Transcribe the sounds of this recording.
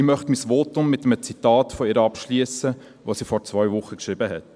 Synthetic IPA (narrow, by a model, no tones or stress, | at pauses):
ɪmœχtmisʋoːtʊmːɪtəmət͡sitɑːtfɔɪːɾəɑpʃliəsə | ʋoːsiːfɔɾt͡svœʏvʊχəkʃɾɪbəɦɛt